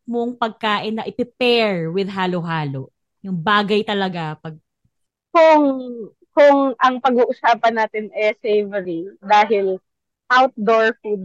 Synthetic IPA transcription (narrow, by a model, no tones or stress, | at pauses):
moŋpɐɡ̚kaːʔɪnːɐʔɪpɪpɛɹwɪd̪ɦaːloɦaːloʔ | jʊŋbaːɡɐjt̪ɐlɐɡapɐɡ̚ | kʊŋ | kʊŋʔɐŋpɐɡuːʔʊsaːpɐnːaːt̪ɪnʔɛsejvɛɾiŋd̪aːɦɪl | ʔawt̪̚d̪oɹfud̪̚